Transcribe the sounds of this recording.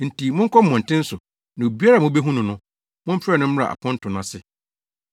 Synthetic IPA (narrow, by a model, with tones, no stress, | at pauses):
n̩˨ti˨mʊ̃˦ŋ̩˦kʰɔ˦m̩˦mɔ̃˨n̩˨tʰɪ̃˦n̩˦sʊ˨ | nã˨o˨bi˦a˦ɾa˨mʊ̃˦be˦ɦũ˦nʊ̃˨nʊ̃˦ | mʊ̃˦m̩˦pʰɾɛ˦˨nʊ̃˦m̩˦a̰˨ʔa̰˨pʰʊ̃˦n̩˦tʰʊ̃˨nã˨sɪ˦